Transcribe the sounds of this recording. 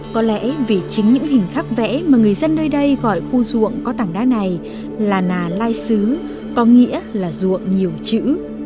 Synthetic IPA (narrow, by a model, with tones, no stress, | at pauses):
kɔ˨˦lɛ̰˧˥vi˨˩t͡ɕï˨˦ŋ̟ɲɨ̰˧˥ŋhï˨˩ŋ̟xaː˦˥k̚vɛ̰˧˥maː˨˩ŋɨ˨˩əjzə˧nɗəː˧jɗə˧jɣɔ˧˩jxu˧zṵ˧˨əŋkɔ˨˦t̪aː˧˩ŋɗaː˨˦na˨˩j | laː˨˩naː˨˩laː˧jsɨ˨˦ | kɔ˨˧nŋḭ˧˥əlaː˨˩zṵ˧˨əŋɲi˨˩əwt͡ɕɨ̰˧˥